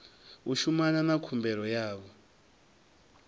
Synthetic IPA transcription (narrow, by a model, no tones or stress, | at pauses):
uʃumananakʰumbɛɾɔjaːβɔ